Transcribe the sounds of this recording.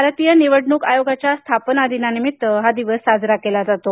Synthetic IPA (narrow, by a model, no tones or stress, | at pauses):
aɾat̪ijəniʋəɽɳuːkajoɡat͡ɕjast̪ʰapnad̪inanimit̪ɦad̪iʋəsad͡zɾakelad͡zat̪o